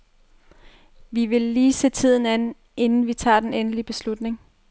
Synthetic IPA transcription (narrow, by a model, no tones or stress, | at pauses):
ʋiʋe̝lːiːse̝̰ːt͡sʰið̞̰ˠn̩æn | e̝nn̩ʋit͡sʰɑ̰̈ːd̥enenəlib̥e̝slud̥ne̝ŋ